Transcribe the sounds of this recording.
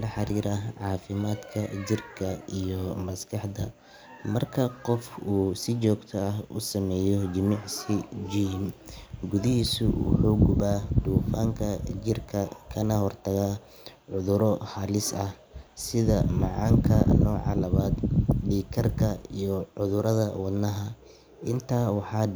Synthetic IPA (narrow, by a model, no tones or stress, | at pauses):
lɐħɑɾiːɾɐʕɑːfɪmaːd̪kʰɐd͡ʒɪrkʰɐijɔmɐskʰɑħd̪ɐ | mɐrkʰɐqɔfuːsɪt͡ʃɔːɡt̪ʰɐɐɦʊ̰sɐmɛːjɔd͡ʒɪmɪʕsɪd͡ʒiːmɡʊðɪɦiːsʊ̰wʊ̰ħuːɡʊβaːd̪uːfaːŋkʰɐt͡ʃɪrkʰɐkʰɐnɐhɔrt̪ʰɐɣaː | ʕʊðʊɾɔhɐlɪsɐh | sɪðɐmɑʕɑːŋkʰɐ̰nɔːʕɑ̰lɐβaːd̪ɖiːkʰɐrkʰɐijɔʕʊðʊɾɐðɐwɑd̪nɐɦɐ | ʔɪnt̪ʰaːwɑħɑː